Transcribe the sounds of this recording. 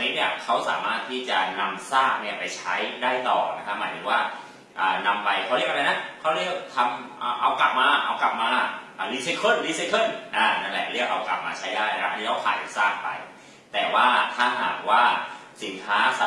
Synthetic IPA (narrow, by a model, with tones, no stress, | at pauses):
niː˦˥ni˥˩ɐkʰa˦˥wsaː˩˦maː˥˩t̪ʰːiː˥˩t͡ɕa˨˩na˧msaː˥˩k̚ni˥˩ɐpa˧jt͡ɕʰa˦˥jdaː˥˩jt̪ɔ̰ː˨˩na˦˥kʰa˦˥p̚maː˨˦t̪ʰɯ˧˦ŋwaː˥˩ | ʔaː˨˩na˧mpa˧jkʰa˥˩ɾəkʔa˧ɾa˧na˦˥kʰa˥wɾi˥˩ək̚t̪ʰa˧mʔaː˨˩ʔa˧wkla˨˩p̚maː˧ʔa̰˧wka˨˩p̚maː˧ʔaː˨˩liː˦˧˥se˧˥kʰɤ˥˩nliː˧˥se˧˥kʰɤ˥˩nʔaː˧˩na˧˩ŋlɛ˧˩ɾi˥˩ək̚ʔa˧wka̰˨˩p̚maː˧t͡ɕʰa˦˥jdaː˥˩jna˧˦˧a˦˥ʔnʰːiː˦˥˩a˧˥pʰaː˨˩n˨˩saː˥˩ŋ̚pa̰˧j | t̪ɛː˨˩waː˥˩t̪ʰaː˥˩ɦa̰ː˨˩k̚waː˥˩si˩˦nkʰaː˦˥sa˨˦